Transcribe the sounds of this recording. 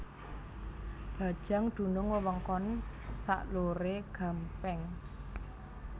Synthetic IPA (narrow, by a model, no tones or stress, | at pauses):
b̥ä̤d̥ʒ̥a̤ŋd̪̥ṳnʊŋwəwəŋkɔnsa̰ʔloɾeɡ̥a̤mpɛŋ